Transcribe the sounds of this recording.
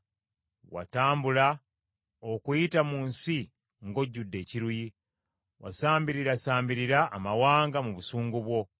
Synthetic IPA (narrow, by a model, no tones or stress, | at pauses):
wa̰taːmbula | okujitamuːnsi | ŋɡo̞ɟːudːe̞ːciɾuji | wasaːmbiɾiɾasaːmbiɾiɾaʔːmawaːŋɡamuβusuːŋɡuβwo̞